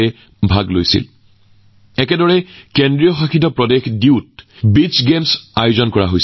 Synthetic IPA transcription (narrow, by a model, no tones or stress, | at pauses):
ɛ | bʱaɡlojsḭl | ɛkɛdɔɹɛkendɹijɔxaxitɔpɹɔdexdiʊt̚bɹit͡ʃɡemsajʊzɔnkɔɹaɦojs